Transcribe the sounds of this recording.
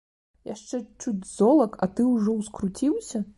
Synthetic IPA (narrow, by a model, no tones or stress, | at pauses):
jaʂt͡ʂɛt͡ʂut͡sʲzɔlˠɐkʰɐt̪ɨwʐɔwskɾut͡sʲiwsʲɐ